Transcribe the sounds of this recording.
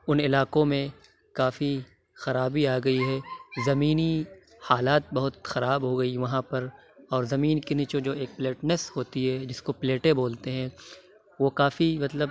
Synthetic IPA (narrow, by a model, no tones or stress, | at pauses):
ʊnɪlaːkõmẽ | kaːfi | xɐɾaːbiaːɡɐiɦɛːzɐmiːni | haːlaːt̪̚bɐɦʊt̪xɐɾaːbɦoɡɐiʋɐɦãpɐɾɔːɾzɐmiːnkiniːt͡ʃod͡ʒoːeːk̚pleːʈnesɦoːt̪iɦɛd͡ʒɪskopleːʈẽboːlt̪eɦɛ̃ | ʋokaːfimɐt̪ləb